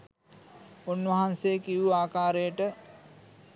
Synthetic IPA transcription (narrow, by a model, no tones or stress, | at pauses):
onʋɐɦansejəkiʋuaːkaːɾejəʈə